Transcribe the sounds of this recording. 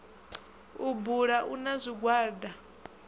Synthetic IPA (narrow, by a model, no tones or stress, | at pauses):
ubuɺaʔunazʷiɡwaːda